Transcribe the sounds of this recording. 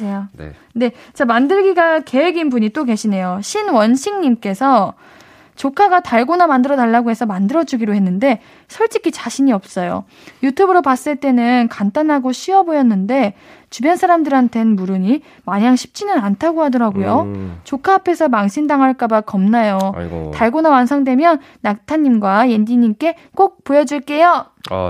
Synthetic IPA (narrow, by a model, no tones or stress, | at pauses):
eja̰ | ne̞t͡ɕamandɯɭɡiɡake̞ɦeɡinbuɲit͈oke̞ɕʰine̞joɕʰinwʌnɕʰiŋɲimk͈e̞sʰʌ | t͡ɕokʰaɡataɭɡonamandɯɾʌdaɭːaɡoɦe̞sʰʌmandɯɾʌd͡ʑuɡiɾoɦe̞nːɯnde̞ | sʰʌɭt͡ɕ͈ikʰit͡ɕaɕʰiɲiʌp̚s͈ʌjo̰ | jutʰubɯɾopas͈ɯɭt͈e̞nɯnkant͈anɦaɡoɕʰiʌbojʌnːɯnde̞ | t͡ɕubjʌnsʰaɾamdɯɾantʰe̞nmuɾɯɲi | maɲaŋɕʰi̥p̚t͡ɕ͈inɯnantʰaɡohadʌɾaɡojot͡ɕokʰaːpʰe̞sʰʌmaŋɕʰindaŋɦaɭk͈abakʌmnajotaɭɡonawansʰaŋdwe̞mjʌnːak̚tʰaɲːimɡwajend͡ʑiɲimk͈e̞ | k͈ok̚p͈ojʌd͡ʑiɭk͈e̞jo